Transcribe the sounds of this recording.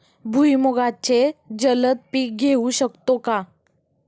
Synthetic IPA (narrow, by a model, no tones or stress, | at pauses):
bʱujmoɡat͡ɕed͡ʑələt̪̚piːk̚ɡʱeuɕəkt̪oka